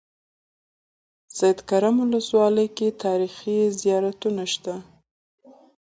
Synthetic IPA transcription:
z̥ajd̪kaɾamʊləswɑləjket̪ɑɾixizijɑɾat̪unaʃt̪a

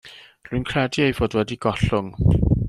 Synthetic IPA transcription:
rʊjnkʰrɛdiejvɔdwɛdiɡ̥ɔɬʊŋ

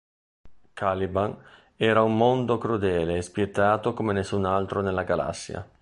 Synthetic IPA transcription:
kʰaliban | ɛːɾaumːond̪okɾud̪ɛːleːspjet̪ːaːt̪okomenesːunalt̪ɾonelːaɡala̰sːja̰

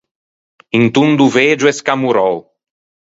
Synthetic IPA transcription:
int̪und̪uved͡ʒuɛskamuɾɔw

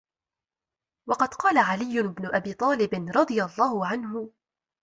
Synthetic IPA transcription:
wɑqɑd̪qɑːlaʕalɪjːʊɪbnʊʔabiːt̪ˤɑːlɪbɪnɾˤɑd̪ˤɨjalˤːɑːhʊʕanɦʊ

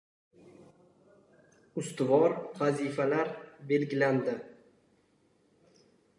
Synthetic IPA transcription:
ʊst̪ʊvɒɾvazifalaɾbe̞lɡʲɪland̪ɪ

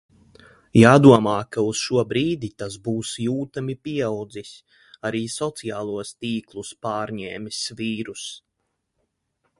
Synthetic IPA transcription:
jaːd̪uɔmaːkausʃuɔbɾiːd̪it̪asbuːsjuːt̪amipiɛawd̪zisʲ | aɾiːsɔt̪sijaːlˠuɔst̪iːklˠuspɑːɾɲɛːmisviːɾus

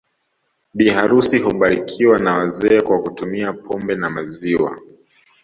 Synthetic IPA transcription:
ɓihaɾusiɦuɓaɾikʰiwanawazɛːkwakutumiapʰɔmbɛnamaziwa̰

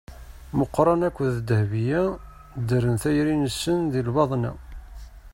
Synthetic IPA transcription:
məqːɾˤɑnækʷːðd̪əhvijæ | d̪əɾənθæjɾinəsːənðilvɑðˤnæ̰

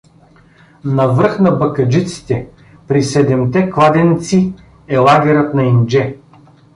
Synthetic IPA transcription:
nɐvəɾxnɐbɐkɐd͡ʒit̪si̥t̪ɛ | pɾisɛd̪ɛmt̪ɛklˠad̪ɛnit̪si | ɛlˠaɡʲɛɾət̪nɐind͡ʒɛ

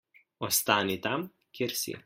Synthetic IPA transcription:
oːst̪aːnʲit̪am | kʲʰɪɾʲsʲḭ

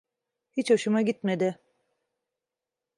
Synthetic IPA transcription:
hit͡ʃaʃɯmaɟit̪med̪ɪ

